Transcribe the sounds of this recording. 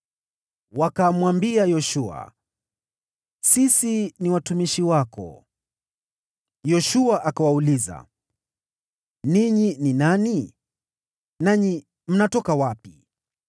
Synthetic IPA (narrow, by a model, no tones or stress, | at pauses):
wakamwambiajɔʃua̰ | sisiniwatumiʃiwakɔ̰ | jɔʃuaʔakawauliza̰ | niɲininani | naɲi | m̩natɔkawapi